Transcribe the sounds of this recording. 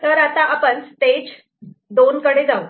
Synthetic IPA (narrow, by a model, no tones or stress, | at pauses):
t̪əɾat̪aapənst̪ed͡ʑ | d̪onkəɽed͡zau